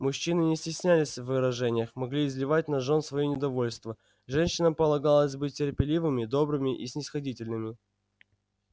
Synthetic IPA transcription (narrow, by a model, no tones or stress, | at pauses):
mʊɕːinɨnʲɪsʲtʲɪsʲnʲælʲɪsʲvːɨɾɐʐɛnʲɪjəxmɐɡlʲiɪzʲlʲɪvat̚ʲnɐʐonsvɐinʲɪd̪ɐvo̞lʲst̪və | ʐɛnʲɕːɪnəpəlˠɐɡalˠəzʲbɨt̚ʲtʲːɪrpʲɪlʲivɨmʲɪd̪o̞bɾɨmʲɪʔisʲnʲɪsxɐdʲitʲɪlʲnɨmʲɪ